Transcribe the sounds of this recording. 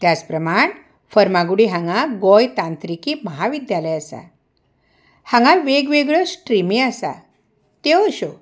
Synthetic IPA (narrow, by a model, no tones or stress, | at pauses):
t̪jat͡spɾəmaɳ | fəɾmaɡuɽiɦãŋɡaɡɔjt̪ãnt̪ɾikiːməɦaʋid̪jalɛasa̰ | hãŋɡalʋeɡʋeɡɭəsʈɾimiasa̰ | t̪eəɕo